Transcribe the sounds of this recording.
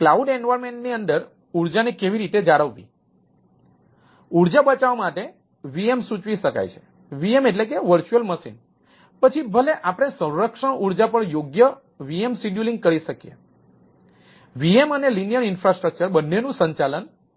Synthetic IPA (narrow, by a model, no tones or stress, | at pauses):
klauɖeɳɖʋaɾmeɳʈniənd̪əɾ | uɾd͡ʒanekeʋiɾit̪ed͡ʒaɽəʋʋḭ | uɾd͡ʒabət͡ʃaʋamaʈe | ʋiemsut͡ʃʋiʃəka̰jt͡ʃʰe̥ | ʋiemeʈlekeʋəɾt͡ʃuəlməʃḭn | pət͡ʃʰibʱəleʔapɽ̃esə̃ɾɾəkʂə̃ʔuɾd͡ʒapəɳjoɡjə | ʋiemsiɖjulĩŋɡ̚kəɾiʃəkijḛ | ʋiemənelinijəɾinfɾasʈɾək̚t͡ʃəɾbənːenũsə̃ɲt͡ʃalən